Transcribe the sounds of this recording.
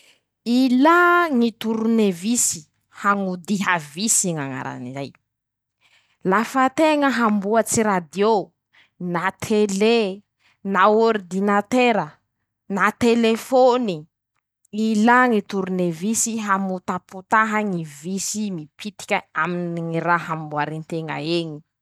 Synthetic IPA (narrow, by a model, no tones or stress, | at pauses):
ilaŋit̪uɾunevisi̥ | haŋud̪iɦavisiŋaŋa̰ɾa̰nḭza̰j | lafət̪eŋəɦambuət͡siɾad̪jo | nat̪ʰele | naoɾid̪inat̪eɾə | nat̪elefoni | ilaŋit̪uɾunevisiɦamut̪aput̪aɦaŋivisimipʰit̪i̥kʲəaminiŋiɾaɦambuaɾint̪eŋa̰eɲi̥